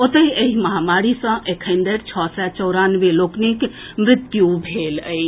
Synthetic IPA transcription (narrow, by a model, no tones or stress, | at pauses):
ot̪əjəɦiməɦamaɾisə̃ʔekʰənd̪əɾt͡ʃʰɔsɛt͡ʃəʊɾanʋeloknik | mɾɪt̪kjubʱeləj